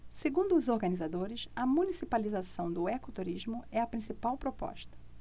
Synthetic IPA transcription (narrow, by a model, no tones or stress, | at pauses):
seɡũnd̪ʊːzoɾɡɐnizad̪oɾɪsɐmunisipalizasɐ̃w̃d̪ʊekʊt̪uɾizmʊɛɐpɾĩsipawpɾopɔ̰ʃt̪ɐ̥